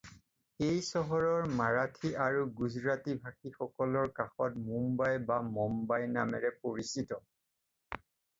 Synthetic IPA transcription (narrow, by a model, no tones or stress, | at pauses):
ejsɔɦɔɹɔɹmaɹatʰiʔaɹuɡuzɹatibʱaxixɔkɔlɔɹkaxɔtmumbajbamɔmbajnamɛ̰ɹɛpoɹisitɔ